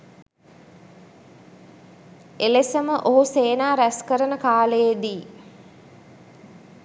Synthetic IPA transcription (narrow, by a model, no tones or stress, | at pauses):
elesəməʔoɦuseːnaːɾæskəɾənəkaːləjed̪iː